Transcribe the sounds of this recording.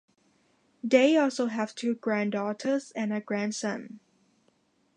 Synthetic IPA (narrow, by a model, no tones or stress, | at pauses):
deɪɔlˠsoʊɦæv̥tʰuːɡɹæ̃ndɔtʰəzɨ̃nəɡɹæ̃nsʌ̃n